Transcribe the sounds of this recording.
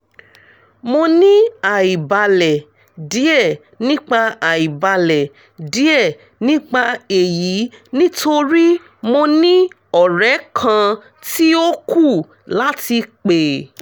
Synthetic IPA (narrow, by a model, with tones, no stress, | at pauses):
mo˧nĩ˦a˨i˨ba˧lɛ˨ | di˨˦ɛ˦˨ | nĩ˦k͡pa˧a˨i˨ba˨˧lɛ˨ | di˨˦ɛ˦˨ | nĩ˦k͡pa˧e˨ji˨˦nĩ˦tʰo˧ɾi˦ | mo˧nĩ˦ | ɔ˦˨ɾɛ˨˦kʰã˧ | ti˦o˦ku˦˨ | la˦ti˧k͡pe˨